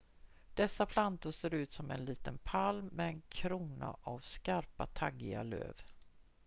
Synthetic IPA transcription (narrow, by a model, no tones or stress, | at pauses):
d̪̥ɛsːapʰlant̪ʊseːɾʉ̟ːt̪sɔmɛnliːt̪ənpʰalmːɛɛnkʰɾuːna̰ʔavskaɾpat̪ʰaɡːɪa̰lø̰ːv